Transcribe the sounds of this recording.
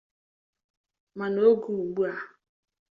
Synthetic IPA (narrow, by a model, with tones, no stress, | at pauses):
ma˨no˦ɡu˨u˨ɡ͡bu˦a˨